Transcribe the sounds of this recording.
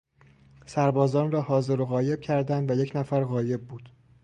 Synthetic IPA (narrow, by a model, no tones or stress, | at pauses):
sæɾbɒːzɒːnrɒːhɒːze̞ɾoɣɒːje̞b̥̚cʰæɾd̪ænd̪væjecʰnæfæɾɣɒːje̞bːuːd̪̥